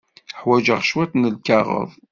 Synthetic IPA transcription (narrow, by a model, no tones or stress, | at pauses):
ħwæd͡ʒəʁʃwæt̪nəlkɑʁə̰ðˤ